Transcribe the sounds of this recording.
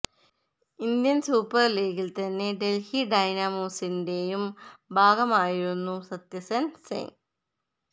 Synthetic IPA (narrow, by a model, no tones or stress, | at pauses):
ind̪jɐnsuːpːɐrleːɡilt̪ɐnːe̞ɖe̞lhiɖɐjnɐmoːsinde̞jumbʱaːɡɐmaːjiɾunːusɐt̪jɐsɐnsḛŋ